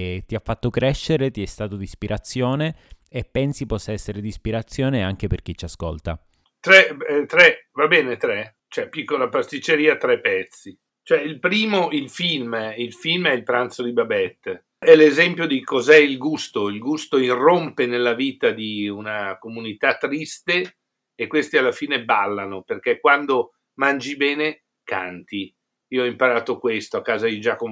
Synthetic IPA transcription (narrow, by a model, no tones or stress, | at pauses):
t̪iafːat̪ːokɾɛʃːeɾet̪iɛst̪aːt̪od̪ispiɾʔat̪sːjoːneː | pːɛnsipɔsːaɛsːeɾed̪ispiɾat̪sːjoːneaŋk̟eperk̟it͡ʃːasko̰lt̪a̰ | t̪ɾɛt̪ɾɛvabɛːnet̪ɾɛ | t͡ʃoɛpːikːolapast̪it͡ʃːeɾiːat̪ɾɛpːɛt̪sːi | t͡ʃoɛilpɾiːmoʔilfilmilfilmɛilpɾant̪sod̪ibabɛt̪ː | ɛlezɛmpjod̪ikʰozɛilɡust̪oilɡust̪oirompenelːaviːt̪ad̪iunakomunit̪at̪ːɾist̪eː | kːwest̪ialːafiːnebalːanoperk̟ɛkwand̪o | mand͡ʒibɛːne | ka̰nt̪i | iːoɔimpaɾaːt̪okwest̪oakːaːzad̪id͡ʒakom